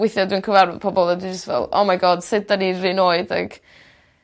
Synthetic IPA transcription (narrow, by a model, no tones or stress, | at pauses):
wɪθjɔdwinkʰəvarvpʰɔbɔlˠadwind͡ʒəstvɛ̰lˠo̰majɡɔd̥sɪd̚danirɪnoːɨda̰ɡ̥